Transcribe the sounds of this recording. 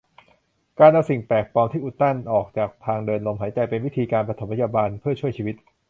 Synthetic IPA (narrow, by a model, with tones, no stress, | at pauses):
kaː˧nda˧msi˨˩ŋpɛː˨˩k̚pɔː˧mt̪ʰiː˥˩ʔuː˨˩t̪ːa˥˩nʔɔː˨˩k̚t͡ɕaː˨˩k̚pt̪ʰaː˧ŋdɤː˧nlo˧mɦaː˩˦t͡ɕa˧jpe˧nwi˦˥t̪ʰiː˧kaː˧npɾa˧t̪ʰo˩˦pʰa˥jaː˧baː˧npʰɯ˥˩ɐt͡ɕʰu˥˩əjt͡ɕʰiː˧wi˦˥t̪̚